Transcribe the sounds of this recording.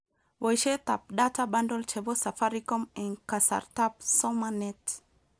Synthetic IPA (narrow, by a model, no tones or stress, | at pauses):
wɔjʃet̪ap̚datʰabãndɔlt͡ʃɛbɔsafaɹikɔ̃mɛ̃nkasa̰ɹtapsɔmanɛt